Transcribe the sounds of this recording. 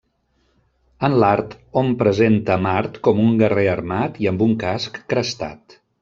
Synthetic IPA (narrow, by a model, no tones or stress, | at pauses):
ənlaɾt̪ompɾəzent̪əmaɾt̪kɔmuŋɡəreərmat̪iəmbuŋkaskːɾəst̪a̰t̪